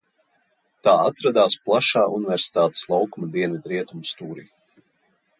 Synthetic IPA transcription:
t̪aːat̪ɾad̪aːsplˠaʃaːunɪvɛɾsi̥t̪aːt̪e̥slˠawkumad̪iɛnad̪ɾiɛt̪umst̪uːɾḭː

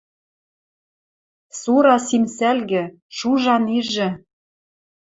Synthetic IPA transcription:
suɾɑsimsælɣɘ̆ | ʃuʒɑniʒɘ̆

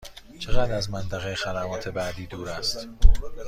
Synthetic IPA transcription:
t͡ʃʰeɣæd̪ɾæzmænt̪ʰæɣejexæd̪æmɒːt̪ʰe̞bæd̪iːd̪uːɾæst̪

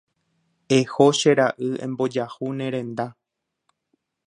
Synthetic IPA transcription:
ehoʃe̞ɾaʔɨẽ̞̰mbo̞d͡ʒahunẽɾẽ̞nd̪a

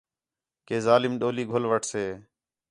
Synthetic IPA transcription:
keːzaːlɪmɗoːliːɡʱʊlʋəʈʰseː

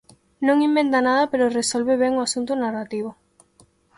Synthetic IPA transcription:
nõŋimbent̪anaðapeɾʊresolβeβɛŋoasunt̪ʊnarat̪iβ̞o

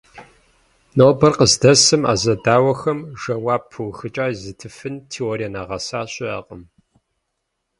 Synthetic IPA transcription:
noːbɐrqəzdɐsɨma̰ːzɐdaːwɐxɐmʒɐwaːbʰɨwxɨt͡ʃʼaːzɨtʰɨfɨntʰeːorijanaːʁɐsaːɕʼɪa̰ːqʼəm

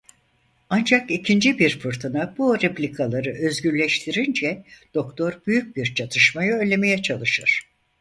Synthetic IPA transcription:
and͡ʒakicʰind͡ʒibiɾfɯɾt̪ʰɯnabuɾeplʲikʰalˠaɾɯʔø̞zɟyɾlʲɛʃt̪ʰiɾind͡ʒɛd̪̥o̞kt̪ʰo̞ɾbyjyc̚biɾt͡ʃʰat̪ʰɯʃmajɯøjlʲe̞me̞jɛt͡ʃʰalˠɯʃɯɾ̥

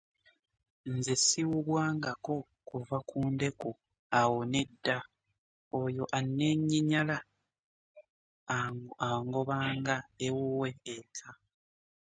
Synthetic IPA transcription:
nzesiwuβwaːŋɡako̞ | kuvakʰuːnde̞ku | awone̞dːa | ojo̞ʔanːe̞ɲːiɲala | aŋɡo̞βaːŋɡaewowe̞ːtʰa

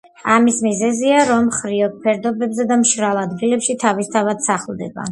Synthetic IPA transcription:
amismizɛziaɾɔmχɾiɔk̚pʰɛɾd̪ɔbɛbzɛd̪amʃɾalˠad̪ɡilɛpʃit̪ʰavist̪ʰavad̪̥saχlˠd̪ɛ̰ba̰

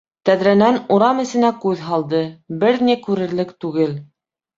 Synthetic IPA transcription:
t̪æðɾænænuɾɑmɘ̆sɘ̆nækʉðɦɑlˠd̪ɤbɘɾnikʉɾɘ̆ɾlɘkt̪ʉɡɘl

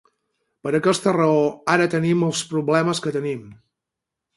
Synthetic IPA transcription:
pəɾəkɛst̪ərəoaɾət̪əniməlˠspɾuβlɛməskət̪ənim

